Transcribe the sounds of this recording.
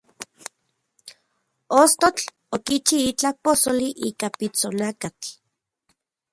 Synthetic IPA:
ost̪ot͡ɬ | okit͡ʃiit͡ɬaposoliʔiːkapit͡sonakat͡ɬ

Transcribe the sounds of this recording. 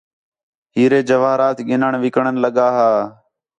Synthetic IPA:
ɦiːɾeːd͡ʒəʋaːɾaːt̪ɠɪnəɳʋɪkəɳənləɠaːɦaː

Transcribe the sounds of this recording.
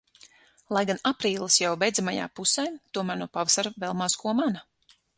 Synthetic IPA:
lˠajɡanapɾiːlˠɨsjawbɛjd̪zamaja̰ːpusɛjt̪uɔmæːɾnuɔpavasaɾuvɛlˠmaːskuɔmana

